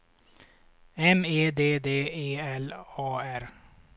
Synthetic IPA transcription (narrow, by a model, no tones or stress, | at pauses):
ɛmeːd̪eːd̪eːeːɛlɑːæɾ